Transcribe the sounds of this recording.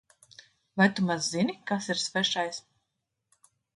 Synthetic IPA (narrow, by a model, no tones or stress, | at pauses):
vajt̪umazːinʲikasiɾsvɛʃajs